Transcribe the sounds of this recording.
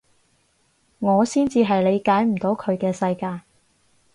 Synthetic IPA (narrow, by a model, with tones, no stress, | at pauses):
ŋɔː˨˧siː˥nt͡siː˧ɦɐ˨jle˨˧jkaː˨˥jm̩˨˩t̪o˨˧wkʰɵ˨˧ɥkɛː˧sɐ˧jkaː˧j